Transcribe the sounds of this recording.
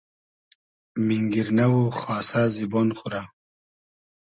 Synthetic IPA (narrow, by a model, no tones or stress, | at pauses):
miŋɡiɾnawoxwaːsaːzibonχuɾa